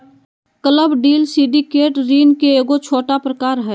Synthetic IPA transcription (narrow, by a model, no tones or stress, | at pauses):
kələbɖiːlsiːɖikeːʈɾiːnkeeːɡot͡ʃʰoːʈapɾəkaːɾɦɛː